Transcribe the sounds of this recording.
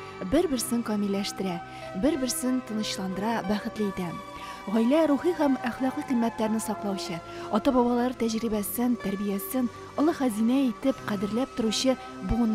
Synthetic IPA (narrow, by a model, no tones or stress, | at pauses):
bɘɾbɘ̆ɾsɘŋkɒmilːæʃt̪ɘ̆ɾæ | bɘɾbɘ̆ɾsɘnt̪ɤ̆nɤ̆ɕlˠɑnd̪ɤ̆ɾɑbæχɘ̆t̪lɘit̪æ | ʁɒjlæɾuχihæmæχlˠɑqliqimːæt̪læɾnɘsɒqlˠɑwɕɤ | ɒt̪ɑbɒbɑlˠɑɾɤt̪æʑɾibæsɘnt̪æɾbijæsɘn | ŏlˠɤχæzinæit̪ɘpqæd̪ɘ̆ɾlæp̚t̪ŏɾuɕɤ | bun